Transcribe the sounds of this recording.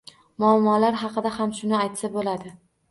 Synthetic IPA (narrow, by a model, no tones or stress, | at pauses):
mʊamːɒlaɾɦɑqɨd̪ahamʃʊnɪajt̪sabolad̪ɪ